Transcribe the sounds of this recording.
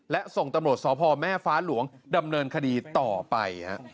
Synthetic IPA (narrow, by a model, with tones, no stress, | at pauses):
lɛ˦˥ʔso˨˩ŋt̪a˧mɾu˨˩ət̪̚sɔː˩˦pʰɔː˧mɛː˥˩faː˦˥lu˩˦əŋda˧mnɤː˧nkʰa˧diː˧t̪ɔː˨˩pa̰˧jha̰˦˥ʔʔ